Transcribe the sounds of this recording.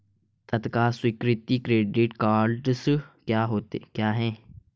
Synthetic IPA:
t̪ɐt̪kaːswɪkɾɪt̪ikɾeːɖɪʈkaːlɖskjaːɦoːt̪ekjaːɦɛː

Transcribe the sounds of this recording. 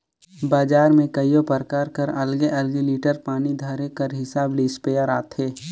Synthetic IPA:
baːd͡ʒaːɾmẽkɐijopəɾkaːɾkəɾɐlɡeʔɐlɡeliːʈəɾpaːnid̪ʱəɾekɐɾɦɪsaːbliːspeːjəɾa̰ːt̪ʰeː

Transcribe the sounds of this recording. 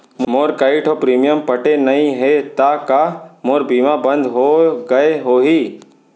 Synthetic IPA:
mmoːɾkaɪʈʰopɾiːmijəmpɐʈenɐɦĩɦet̪akamoːɾbiːmabɐ̃nd̪ɦoɡɐeɦoːɦiː

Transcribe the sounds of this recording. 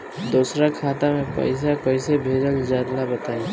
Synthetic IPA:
d̪oːsɾakʰaːt̪amẽpə̰ɪs̬akəɪsebʱeːd͡ʒəld͡ʒaːd̪labət̪aːẽ

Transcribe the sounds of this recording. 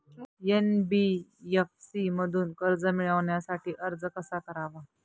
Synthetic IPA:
jenbijefsiməd̪ʱuːnkəɾd͡zəmiɭəʋɳjasaʈiːʔəɾd͡zkəsakəɾaʋa

